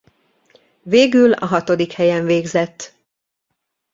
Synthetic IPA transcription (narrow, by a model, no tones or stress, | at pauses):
veːɡylɒ̰ɦɒt̪o̞d̪ikhɛjɛɱveːɡzɛt̪ː